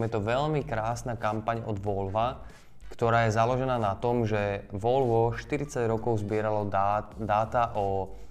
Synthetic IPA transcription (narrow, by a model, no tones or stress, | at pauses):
mjɛt̪ɔʋɛʎmikɾaːsnaːkampaɲɔ̰d̪ʋɔlʋa | kt̪ɔɾaːjɛzalɔʒɛnaːnat̪ɔmʒɛʋɔlʋɔʃt̪iɾit͡saɟɾɔkɔʊzbɪɛɾalɔd̪aːt̪aʔɔ